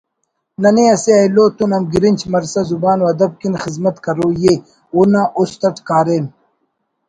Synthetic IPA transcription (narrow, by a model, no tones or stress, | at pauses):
nɐniɐseɐjloːt̪unɐmɡiɾint͡ɕʰmɐɾsɐzubaːnwɐd̪ɐb̚kinxizmɐt̪kɐɾoːje | onaʔost̪ɐʈkaːɾeːn